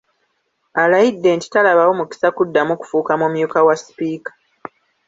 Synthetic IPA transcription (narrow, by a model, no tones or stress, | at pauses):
alajidːe̞ːnti̥talaβawo̞muki̥sakudːamuku̥fuːkamumjuːkawaspiːkḁ